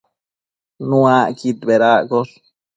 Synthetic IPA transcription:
nuakit̪beɾakos

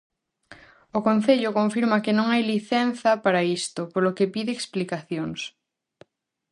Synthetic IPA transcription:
okõn̟θeʎokõɱfiɾmɐkenõŋajliθɛn̟θɐpaɾaist̪opoɾlokepiðeːksplikaθjoŋs

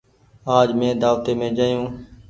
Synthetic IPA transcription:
aːd͡ʒmẽːd̪aːʋt̪eːmẽːd͡ʒaːjũː

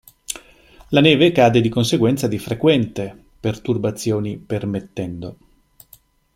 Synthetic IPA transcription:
lanɛːvekaːd̪ed̪ikonseɡwɛnt̪sad̪ifɾekwɛnt̪e | pert̪urbat̪sːjoːnipermet̪ːɛnd̪o

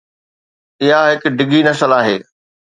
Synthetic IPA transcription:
ɪɦaɦɪkɖɪɡinɐsəlaːɦeː

